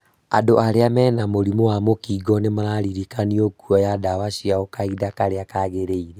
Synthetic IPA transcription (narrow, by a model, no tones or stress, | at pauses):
a̰doʔaɾeamɛːnamoɾimowamokiɡɔnemaɾaɾiɾikaniokuɔjadawaʃiaɣokaidakaɾeakaɣeɾeiɾe